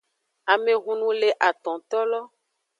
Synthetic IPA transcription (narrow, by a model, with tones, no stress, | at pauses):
a˨mẽ˨ɣũ˨nũ˦le˨ʔa˨t̪ɔ̃˨t̪ɔ˦lɔ˦